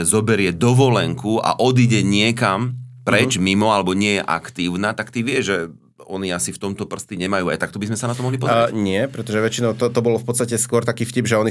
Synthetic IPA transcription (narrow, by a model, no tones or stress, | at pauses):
zɔbɛɾɪɛd̪ɔʋɔlɛŋkua̰ʔɔd̪iɟɛɲɪɛkampɾɛt͡ʃmimɔalɛbɔɲɪɛjɛʔa̰kt̪iːʊnat̪akt̪iʋɪɛʒʒɛ | ɔ̰niasift̪ɔmt̪ɔpr̩st̪iɲɛmajuːa̰jt̪akt̪ɔbizmɛsanat̪ɔmɔɦlipɔzɾɛɲɪɛpɾɛt̪ɔʒɛʋɛt͡ʃinɔʊt̪ɔt̪ɔbɔlɔfpɔt̪st̪acɛskʊɔɾt̪akiːfcibʒɛɔni